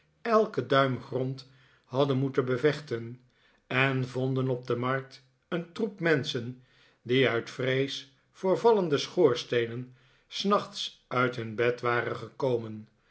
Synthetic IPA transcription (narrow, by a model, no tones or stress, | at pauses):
ɛlˠkədœɥmχrɔnt | ɦɑdənmutənbəvɛχtən | ɛnvɔndənɔb̚dəmɑɹk̚t | əntrupmɛnsən | diœɥtfrejs | fʊːɹvɑləndəsχoːɹstejnən | snɑχtsʔœɥtɦɵnbɛtʋaːrənχəkowmən